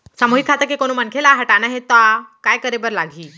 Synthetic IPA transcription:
samoɦikkʰat̪əɾkekoñuːmənkʰelaɦəʈanaɦet̪ɔkajkəɾebəɾlaɡʱiː

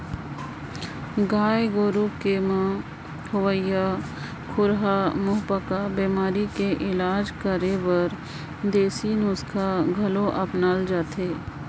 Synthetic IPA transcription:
ɡaːjɡoːɾukemã | hʊʋəja | kʰʊɾɦamʊɦpəkabeːmaːɾikeʔɪlaːd͡ʒkəɾebəɾ | d̪eːsinʊskʰaɡʱɐloʔɐpnald͡ʒaːt̪ʰeː

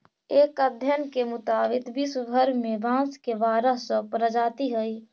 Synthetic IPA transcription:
eːkəd̪ʱjənkemʊt̪aːbɪt̪bisɡʱəɾmẽbãːskebaːɾəɦsəpɾəd͡ʒaːt̪iɦəi

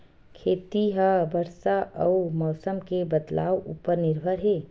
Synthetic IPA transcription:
kʰeːt̪iɦəbəɾsaəumɔːsəmkebət̪la̰ːwṵpəɾnɪɾbʱəɾɦeː

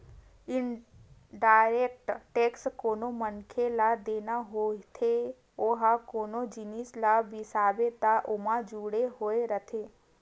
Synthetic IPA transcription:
ɪnɖaːɾeːk̚ʈʈeːkskoːnomənkʰelad̪eːnaɦoːt̪ʰe | oɦakoːnod͡ʒɪnislabɪsaːbet̪aʔʊmãd͡ʒuɽeɦoːeɾət̪ʰeː

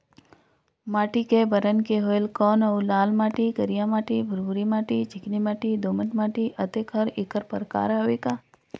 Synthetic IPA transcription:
maːʈikebəɾənkeɦoːelkɔːnəulaːlmaːʈikəɾijãmaːʈibʱəɾuɾimaːʈit͡ʃɪknimaːʈid̪oːməʈmaːʈiʔət̪ekʰəɾɪkəɾpəɾka̰ːɾaɦoʋikaː

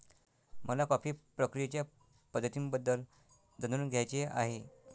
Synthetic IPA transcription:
məlakapiːpɾəkɾijet͡ɕja | pəd̪ːət̪imbəd̪ːəl | d̪ənd̪uːnɡʱjajt͡ɕea̰ɦe

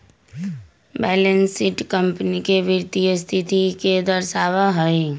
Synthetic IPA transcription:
bɛːlensiʈkə̃mpnikeʋɪɾt̪ijəst̪ʰit̪iked̪əɾʃaːʋaɦəi

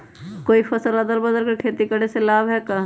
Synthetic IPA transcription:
koːifɐsəlɐd̪əlbɐd̪əlkekʰeːt̪ikəɽeselaːbɦɛka

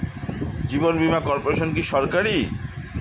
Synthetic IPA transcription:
d͡ʑibonbimakɔɾpoɾeʃonkiʃɔɾkaɾi

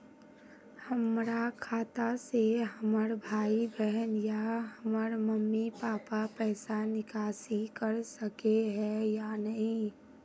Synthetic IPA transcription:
həmɾakʰaːt̪aseɦəməɾbʱaːibɛɦənjaɦəməɾməmːipaːpapɛːsanɪkaːsikəɾsəkeɦɛ̃jaːnəɦĩ

